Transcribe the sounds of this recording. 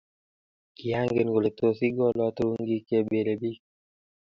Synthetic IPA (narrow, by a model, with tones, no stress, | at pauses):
ki˨a˦ŋɡe˨n˨ɡo˨le˨t̪o˨si˦ɡɔ˦lɔ˦t̪ɾu˦ŋɡi˦ke˦be˨le˨bi˦k